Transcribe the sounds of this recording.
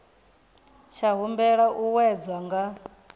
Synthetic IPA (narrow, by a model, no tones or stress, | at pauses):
t͡ʃʰaɦumbɛɺaʔuwɛd͡zwaŋɡa